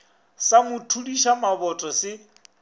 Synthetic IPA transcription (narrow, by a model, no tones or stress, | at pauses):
samʊtʰudiʃamabɔtʼɔsɪ